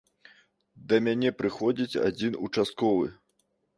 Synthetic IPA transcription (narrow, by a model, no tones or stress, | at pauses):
d̪ɐmʲanʲɛpɾɨxɔd͡zʲit͡sʲa̰d͡zʲinut͡ʂast̪̚kɔvɨ̰